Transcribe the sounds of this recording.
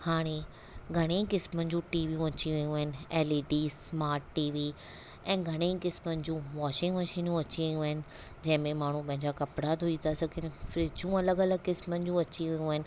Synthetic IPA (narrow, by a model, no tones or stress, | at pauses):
haːɽ̃e | ɡʱɐɽ̃ekɪsmənɪ̆d͡ʑũːʈiːʋijũɐt͡ɕiʋɐjũəɦɪnɪ̆ɛːleːɖiːsmaːɾʈːiːʋi | ɛ̃ːɡʱɐɽ̃ekɪsmənɪ̆d͡ʑũːʋaːʃɪ̃ŋɡʋɐʃiːnũɐt͡ɕiʋijũəɦɪnɪ̆ | d͡ʑɐ̃ɦɪ̃mẽmaːɳ̤ũpɐ̃ɦɪ̃ɲd͡ʑakɐpɽad̪oit̪ʰasɐɡʱɪnfɾɪd͡ʑũɐləɡɐləɡkɪsmənɪ̆d͡ʑũɐt͡ɕiʋɐjũɦɪnɪ̆